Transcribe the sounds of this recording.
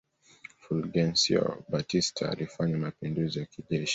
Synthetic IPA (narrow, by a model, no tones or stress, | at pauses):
fulɡɛnsiɔ̰batistʰaa̰lifaɲamapinduzijakiʄɛʃi̥